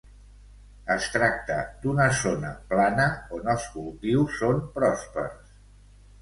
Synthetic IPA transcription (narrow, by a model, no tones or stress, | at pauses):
əst̪ɾak̚t̪əd̪unəzonə̰planəonəlˠskulˠt̪iwsːompɾɔspə̰ɾs